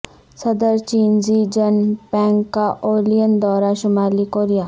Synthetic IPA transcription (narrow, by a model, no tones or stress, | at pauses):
sɐd̪əɾt͡ʃiːnzid͡ʒɐnpɛ̃ːŋɡkːaʔoːlijənd̪ɔːɾaʃʊmaːlikoːɾijaː